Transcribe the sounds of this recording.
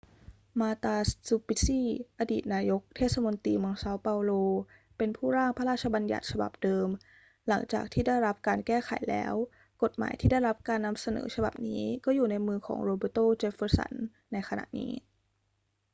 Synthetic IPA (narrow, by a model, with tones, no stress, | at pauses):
maː˧t̪aː˧su˧pi˦˥siː˥˩ʔa˧diː˨˩t̪̚naː˧jo˦˥k̚t̪ʰeː˥˩t̪̚sa˧mo˧nt̪iː˧mɯ˧əŋsa˦˥wpa˧wloː˧ | pe˧npʰuː˥˩ɾaː˥˩ŋpʰa˧ɾaː˥˩t̪̚t͡ɕʰa˧ba˧nja̰˨˩t̪̚t͡ɕʰa˧ba̰˨˩p̚dɤː˧m | la̰˩˦ŋt͡ɕa̰ː˨˩k̚t̪ʰiː˥˩da˥˩jɾa˦˥p̚kaː˧nkɛː˥˩xʰa̰˨˩˦jlɛ̰ː˦˥w | ko˨˩t̪̚ma̰ː˩˦jt̪ʰiː˥˩da˥˩jɾa˦˥p̚kaː˧nːa˧msa˧nɤ̰ː˩˦t͡ɕʰa˧ba̰˨˩p̚niː˦˥kɔː˥˩juː˨˩na˧jmɯː˧kʰɔ̰ː˩˦ŋɾoː˧bɤː˧˩t̪oː˥˩t͡ɕe˦˥fɤː˧˥sa̰˧˩˦nː | a˧jkʰa˧na̰˨˩ʔnḭː˦˥